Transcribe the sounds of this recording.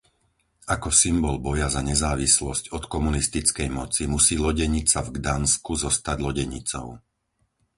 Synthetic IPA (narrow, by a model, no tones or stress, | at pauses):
akɔsimbɔlbɔjazaɲɛzaːʋislɔscɔt̪kɔmunist̪it͡skɛjmɔt͡simusiːlɔɟɛɲit͡savɡd̪anskuzɔst̪aɟlɔɟɛɲit͡sɔ̰ʊ